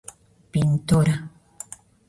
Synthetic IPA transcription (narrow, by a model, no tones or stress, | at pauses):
pɪnt̪ʊɾa